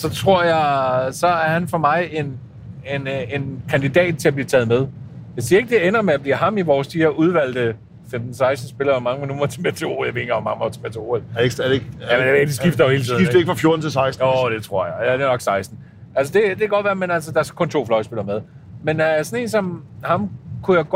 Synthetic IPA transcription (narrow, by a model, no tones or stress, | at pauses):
sɒ̽t͡sʰʁo̝ɐ̰jɑɪsɒ̽æɐhænfɒ̽mɑ̈ɪe̝n | enenkʰænd̥id̥ɛ̰ːd̥̚t͡sʰe̝læb̥liːt͡sʰɛːð̞̩ˠmeð̞ˠjasḭːɐe̝ɡ̥əd̥e̝enɐmeæb̥lḭːɦɑ̈miʋɒːsd̥iheɐʔuðˠʋæl̰d̥ə | femd̥n̩sɑ̈ɪsd̥n̩sb̥e̝lɐemɑ̈ŋəmenumɐt͡sʰemet͡sʰeo̝̰ːjaʋe̝̰nŋɒmɑŋt͡sʰemet͡sʰe̝o̝ːeldɡd̥isɡ̥ifd̥ɐhe̝ːlt͡siːð̩ˠifnd̥eɡəfʁɑ̈fjo̝ɐd̥n̩t͡sʰe̝lsɑ̈ɪsd̥nod̥e̝t͡sʰʁo̝ɐ̰jɑ̈ɪædenɒ̽ɡ̥sɑ̈ɪsd̥n̩ | ælsəd̥e̝d̥e̝ɡ̥ɒ̽dʋæːɐmenælsəd̥ɑ̈æɐskʰɔ̽nt͡sʰo̝̰ːflɒ̽ɪsb̥elɐmeðˠmensɒne̝̰ːnsɒ̽mhɑ̈mkʰujæɡ̥